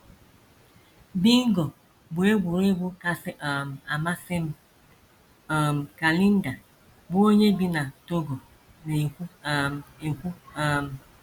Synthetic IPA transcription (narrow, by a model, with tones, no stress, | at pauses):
bi˦ŋ˦ɡɔ˨ | bʊ˨e˦ɡʷu˨ɾe˦ɡ͡bʊ˦ka˨sʔm˨a˨ma˦sɪ˦m˦˨ | m˨ka˨li˦n̩˦da˨ | bʊ˦o˦ɲe˦ɡi˦na˨to˦ɡɔ˨ | ne˨˦ | e˨kʷu˦a˨m˨